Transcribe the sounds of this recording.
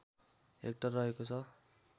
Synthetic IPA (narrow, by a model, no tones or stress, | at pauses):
ḛk̚ʈʌrːʌɦekot͡sʰʌ